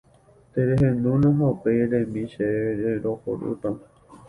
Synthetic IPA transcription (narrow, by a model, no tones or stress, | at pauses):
t̪eɾeɦẽnd̪ũnõɦopeɾẽmĩʃeɾeɾoho̰ɾṵt̪a